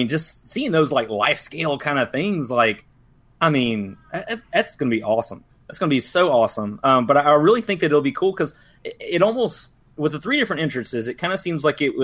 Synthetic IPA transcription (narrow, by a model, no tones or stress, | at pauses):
ĩnd͡ʒʌstsiɪ̃ŋðoʊzlaɪkla̰ɪfskeɪlˠkʰãɪ̃ndɨθɪ̃ŋzlaɪk | aɪmĩnæætðætsɡ̥ʌnəbiʔɔsə̃m | ɨtsɡ̥ʌnəbisoʊɔsə̃mʌ̃mbʌɾaɪaɪɹɪlˠiθɪ̃ŋk̚ðɨɾɨɾl̩ˠbikʰulˠkʰʌz̥ | ɪɪɾɔlˠmoʊst | wɨðəθɹiɾɪfɹɨ̃ntɪ̃nt͡ʃɹ̥ɨssɨzɨt̚kʰãɪ̃ndɨsĩmzlaɪkɪt̚wʌ